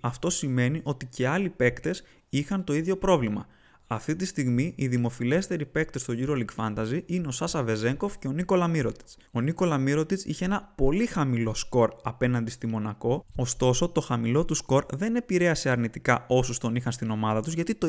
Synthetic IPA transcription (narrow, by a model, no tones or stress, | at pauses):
ɐft̪o̞sime̞niʔo̞t̪ice̞ɐlipe̞kt̪e̞s | ixɐnt̪o̞iðʝo̞pɾo̞vlimɐ̰ | ɐft̪it̪ist̪iɣmiʔiðimo̞file̞st̪e̞ɾipe̞k̚t̪e̞st̪o̞ʝiɾo̞liɡfɐnt̪ɐziineo̞sɐsɐve̞ze̞ŋko̞fce̞o̞niko̞lɐmiɾo̞t̪i̥t͡s | o̞niko̞lɐmiɾo̞t̪it͡sḭçe̞e̞nɐpo̞lixɐmilo̞sko̞ɾɐpe̞nɐnd̪ist̪imo̞nɐko̞ost̪o̞so̞t̪o̞xɐmilo̞t̪usko̞ɾðe̞ne̞piɾe̞ɐse̞ɐɾnit̪ikɐo̞sust̪o̞nixɐnst̪ino̞mɐðɐt̪uzʝɐt̪it̪o